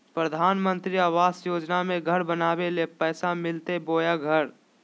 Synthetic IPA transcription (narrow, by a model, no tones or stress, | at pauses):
pɾəd̪ʱaːnmə̃nt̪ɾiaːʋaːsjoːd͡ʒnamẽɡʱəɾbənaːbelepɛːsamɪlt̪eboːjaɡʱəɾ